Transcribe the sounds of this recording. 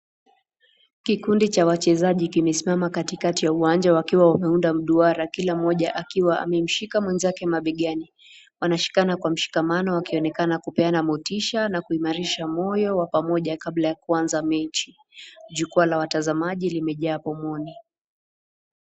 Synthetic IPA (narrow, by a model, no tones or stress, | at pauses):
kikundit͡ʃawat͡ʃɛzaʄikimɛsimamakatikatijauwaɲd͡ʒawakiwawamɛundam̩ɗuaɾakilam̩ɔʄaʔakiwaa̰mɛm̩ʃikamwɛnzakɛmaɓiɠani | wanaʃi̥kanakwam̩ʃi̥kamanɔakiɔnɛkanakupɛanamutiʃanakuimaɾiʃamɔjɔwapamɔʄakablajakuanzamɛt͡ʃi | ʄukualawatazamaʄilimɛʄaːpɔmɔni